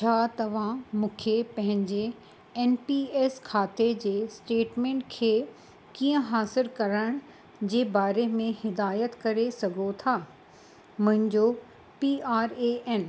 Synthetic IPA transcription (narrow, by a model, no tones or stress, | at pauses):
t͡ɕʰaːt̪ɐʋ̤ãmũːkʰepɐ̃ɦɪ̃ɲd͡ʑe | eːnpieːskʰaːt̪ed͡ʑeːsʈeːʈmẽːɳʈkʰeː | kiːə̃ɦaːsɪɾkɐɾəɪɽ̃ | d͡ʑeːbaːɾemẽhɪd̪aːjət̪kɐɾesɐɡʱot̪ʰaː | mʊ̃ɦɪ̃ɲd͡ʑo | piaːɾeʔɛn